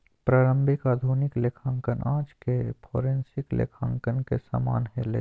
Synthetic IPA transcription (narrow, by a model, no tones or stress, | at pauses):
pɾaːɾə̃mbʱɪkaːd̪ʱuːnɪklekʰãːŋkənʔã̰ːd͡ʒkepʰoːɾẽnsɪklḛkʰã̰ːŋkənkḛsa̰ːma̰ːnɦelḛ